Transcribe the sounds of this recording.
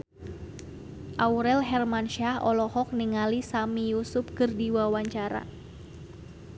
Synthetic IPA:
ʔauɾɛlɦɛrmanʃahɔ̰lɔhɔk̚niŋalisamijusʊp̚kɨrdiwawaɲt͡ʃaɾa̰

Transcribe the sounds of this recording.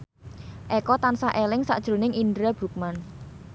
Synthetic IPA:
ʔɛkɔt̪ansaʔelɪŋsa̰ʔd̥ʒ̥ɾo̤nɪŋʔindɾab̥ɾṳk̚man

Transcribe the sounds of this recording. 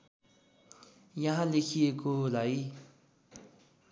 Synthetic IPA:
jaɦãlekʰiekolaj

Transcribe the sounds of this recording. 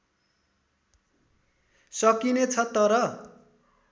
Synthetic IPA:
sʌkinet͡sʰʌt̪ʌɾʌ

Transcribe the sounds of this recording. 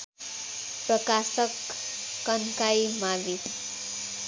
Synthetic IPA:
prʌkasʌkː | ʌnkajmabi

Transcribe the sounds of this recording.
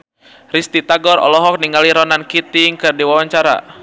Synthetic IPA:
rist̪it̪aɡɔɾɔ̰lɔɦɔk̚niŋɡaliɾɔnankit̪iŋkɨrdiwawaɲt͡ʃaɾa̰

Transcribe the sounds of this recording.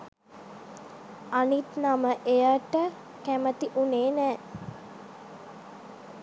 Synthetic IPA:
anit̪naməʔejaʈə | kæmət̪iʔuneːnæː

